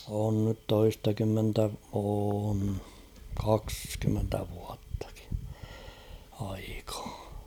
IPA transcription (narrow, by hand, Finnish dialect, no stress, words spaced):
on nyt toistɑkymːentæ oːn kɑkskymːentæ ʋuɑtːɑ̥ki̥ ɑikɑ̥ː